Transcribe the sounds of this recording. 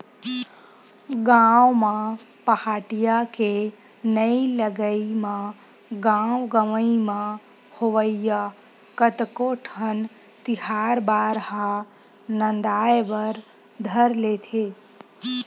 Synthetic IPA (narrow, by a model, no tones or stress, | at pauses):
ɡãwmãpəhaːʈijake | nəiləɡəimã | ɡãwɡəʋəimã | hoʋəija | kət̪koʈʰən | t̪ɪhaɾbaːɾha | nə̃nd̪aːjʋəɾ | d̪ʱəɾlet̪ʰe